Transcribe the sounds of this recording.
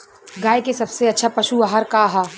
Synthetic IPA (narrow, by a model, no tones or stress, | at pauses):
ɡaːekesɐbseɐtːʃʰapɐʃuaɦəɾkaɦaː